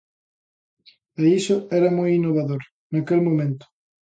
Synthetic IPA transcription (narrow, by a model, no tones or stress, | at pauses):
eisʊɛɾɐmojinːoβaðoɾ | nakelmõmẽnt̪ʊ̥